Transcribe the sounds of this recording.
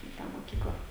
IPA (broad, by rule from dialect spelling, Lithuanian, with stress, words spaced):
ɪ ˈtɑː moːˈkʲiːklˠɐ